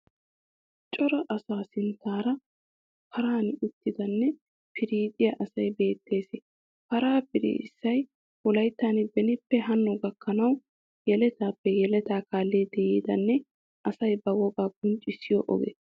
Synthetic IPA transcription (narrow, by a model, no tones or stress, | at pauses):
t͡ʃʼɔɾɐʔɐsaːsɪnt̪ːaːɾɐ | pʰɐɾaːnɪt̪ːɪd̪ɐnːɛ | pʰɪɾiːt̪ʼɪjɐʔɐsɐjbe̞ːt̪ːe̞ːse | pɐɾaːpɪɾḭːɪsːɐj | wɔlɐjt̪ːaːnbɛnɪpːɛɦɐnːɔɡɐkːɐnɐw | jɛlɛt̪aːpːɛjɛlɛt̪aːkaːlːeːd̪ɛjiːd̪ɐnːɛ | ʔɐsɐjbɐwɔɡaːɡ̚ʊnt͡ʃʼɪsɪjɔ̰ʔɔ̰ɡḛːs